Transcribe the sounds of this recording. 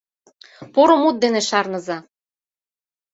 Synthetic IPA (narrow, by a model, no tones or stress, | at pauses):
poɾomut̪̚d̪eneʃɑrnɤ̆zɑ